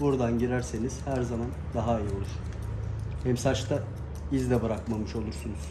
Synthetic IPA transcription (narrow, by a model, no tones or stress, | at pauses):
buɾd̪anɟiɾæɾse̞niz̥hæɾzamand̪aɦaijiolˠuʃ | hɛmsat͡ʃt̪ʰa | izd̪ɛbɯɾakmamɯʃo̞lˠuɾsunuz̥